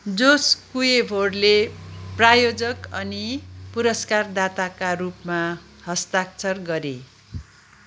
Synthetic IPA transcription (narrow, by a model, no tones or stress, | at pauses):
d͡zoskujebʱoɽleprajod͡zʌkʌnipuɾʌskard̪at̪akarupma | hʌst̪akt͡sʰʌrɡʌɾḛ